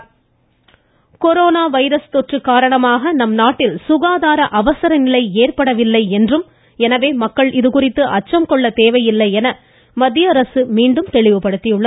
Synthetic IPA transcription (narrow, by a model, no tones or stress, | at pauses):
kɔɾoːnaːʋɐɪɾɐst̪ɔʈrɯkːaːɾɐɳɐmaːɣɐnɐmnaːʈːɪlsʊɣaːðaːɾɐʔɐʋɐsɐɾɐnɪlɐɪeːrpɐɽɐʋɪlːɐɪɛndrɯm | ɛnɐʋeːmɐkːɐɭʔɪðɯkʊrɪt̪ːɯʔɐt͡ʃːɐmkɔɭːɐt̪eːʋɐjɪlːɐɪɛnɐ | mɐd̪ɪjaɾɐsɯmiːɳɖɯmt̪ɛɭɪʋɯpɐɽɯt̪ːɪjʊɭːɐ